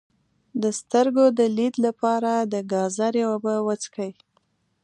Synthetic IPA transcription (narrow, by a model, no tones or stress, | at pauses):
d̪əst̪əɾɡod̪əlid̪lapɑɾad̪əɡɑzaɾjewabəwət͡skʰəj